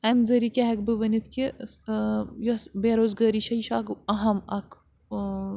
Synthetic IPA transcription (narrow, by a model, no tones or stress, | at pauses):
ɐmzɐɾikʲeɦɐkbɨʋɐnit̪ʰkesjosbeːɾoːzɡaːɾiʃɐiʃaːkɐɦɐmɐk